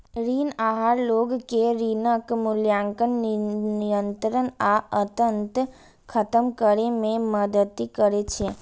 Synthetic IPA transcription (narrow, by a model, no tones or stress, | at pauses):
ɾiːnaːɦaɾloːɡkeɾiːnəkmʊljãŋkənijə̃nt̪ɾənaət̪ənt̪ | kʰət̪əmkəɾemẽməd̪ət̪ikəɾet͡ʃʰe